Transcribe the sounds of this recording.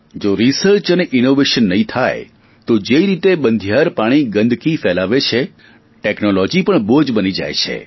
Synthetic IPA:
d͡ʒoɾisəɾt͡ʃəneʔinoʋeʃənːəɦĩt̪ʰaj | t̪od͡ʒeiɾit̪ebənd̪ʱjaɾpaɽ̃iɡə̃nd̪ʱkifɛlaʋet͡ʃʰe | ʈeknolɔd͡ʒipəɳbod͡ʒbənid͡ʒa̰jt͡ʃʰḛ

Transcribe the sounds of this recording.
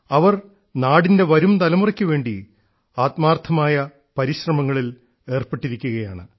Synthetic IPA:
ɐʋɐr | naːɽinde̞ʋɐɾumt̪ɐlɐmurɐkʲːuʋe̞ːɳɖi | aːt̪maːrt̪ʰːɐmaːjɐ | pɐɾiɕrɐmɐŋːɐɭil | e̞ːrpeʈːiɾikʲːuɣɐjaːɳɨ

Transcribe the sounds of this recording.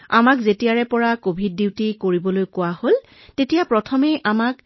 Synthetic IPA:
a̰makzetiaɹɛpɔɹakobʱid̚ːiwtikoɹibɔlojkʊwahol | tetijapɹɔtʰɔmejʔamak

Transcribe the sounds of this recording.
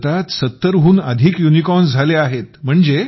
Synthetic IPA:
t̪at̪sət̪ːəɾɦuːnə̰d̪ʱiːkjunikɔnd͡zʱaleaɦet̪m̤əɳd͡ze

